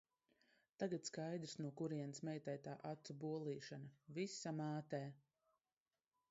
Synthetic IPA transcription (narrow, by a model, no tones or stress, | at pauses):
t̪aɡat̪skajd̪ɾsnuɔkuɾiɛnsmɛjt̪ɛjt̪aːʔat̪ubuɔlˠiːʃanavisamaːt̪ɛː